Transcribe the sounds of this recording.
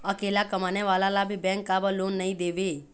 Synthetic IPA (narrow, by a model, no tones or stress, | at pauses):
əkeːlakəmaneʋaːlalabʱibɛ̃ːŋkːabəloːnːəĩd̪eːʋe